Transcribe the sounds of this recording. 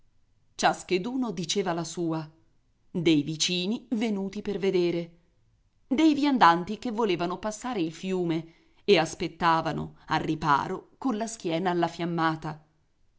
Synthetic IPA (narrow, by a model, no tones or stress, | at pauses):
t͡ʃasked̪uːnod̪it͡ʃeːvalasuːa | d̪ejvit͡ʃiːnivenuːt̪iperved̪eːɾe | d̪ejvjand̪ant̪ik̟evːoleːvanopasːaːɾeilfjuːme | easpet̪ːaːvano̰a̰rːipa̰ːɾokonlask̟jɛːnaːlːafjamːaːt̪a